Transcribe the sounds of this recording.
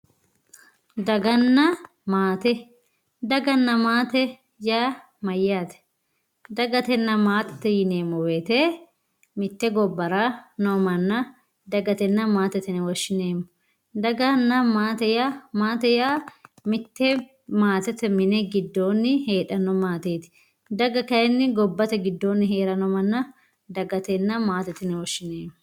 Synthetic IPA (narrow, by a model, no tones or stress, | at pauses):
d̪ɐɡɐnːɐ | maːt̪ɛ | d̪ɐɡɐnːɐmaːt̪ɛ | jaː | mɐjːaːt̪ɛ̥ | d̪ɐɡɐt̪ɛnːɐmaːt̪ɛ̥t̪ːɛjɪneːmːɔweːt̪e | mɪt̪ːɛɡɔbːɐɾanomɐnːɐ | d̪ɐɡɐt̪ɛnːɐmaːt̪ɛt̪ɛnɛwɔʃːɪneːmːɔ | d̪ɐɡɐnːɐmaːt̪ɛjamaːt̪ɛjaːmɪt̪ːɛ | maːt̪ɛt̪ɛmɪnɛɡɪd̪ːo̞ːnːɪheːᶑɐnɔmaːt̪eːt̪ɪ̥ | d̪ɐɡɐkɐjɛnːɪɡɔbːɐt̪ɛɡɪd̪ːoːnːɪɦe̞ːɾɐnɔmɐnːɐ | d̪ɐɡɐt̪ɛnːɐmaːt̪ɛt̪ɪnɛwɔʃːɪneːmː